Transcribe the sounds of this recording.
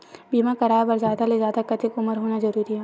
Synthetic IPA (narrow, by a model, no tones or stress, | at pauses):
biːmãkɐɾaːjbɐɾzaːd̪alezjaːd̪akɐt̪ɪkʊməɾɦoːnazɐɾuːɾiɦɛː